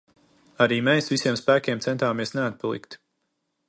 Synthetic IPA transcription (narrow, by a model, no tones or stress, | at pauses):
aɾiːmɛːsvisʲiɛmspæːkʲeɛmt̪sɛnt̪aːmiɛsnɛat̪̚palˠḭkt̪